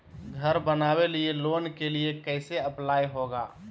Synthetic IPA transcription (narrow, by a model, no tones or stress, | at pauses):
ɡʱəɾbənabelieloːnkeliekəɪseəplaːjɦoɡa̰ː